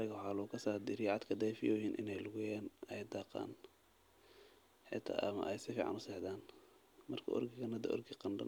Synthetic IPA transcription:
lɪɣɐwħɑːlʊʊkʰɐsaːd̪iɾɪjʕɑd̪kʰɐd̪ɛjfɪjɔːhiːnʔɪ̰nɛjlʊɣʊjaːnɛjd̪ɑːqɑ̰ːn | ħɪ̰t̪ʰa̰ːʔɐmɐ̰ʔɛjsɪfiːʕɑ̰nʊsɛħd̪aːn | mɐrkʰɐ̰ʔɔ̰rɡɪɣɐnhɐd̪ɐ̰ʔɔ̰rɡɪqɑndɐ̰n

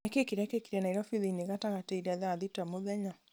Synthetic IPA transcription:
akekiɾiakekiɾanaiɾɔfiðineɣataɣateiɾiaðaðitamoðɛɲa

